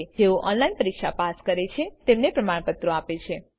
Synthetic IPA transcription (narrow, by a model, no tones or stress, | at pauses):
d͡ʒeoʔɔnlainpəɾikʂapaskəɾet͡ʃʰet̪emnepɾəmaɽpət̪ɾoapet͡ʃʰe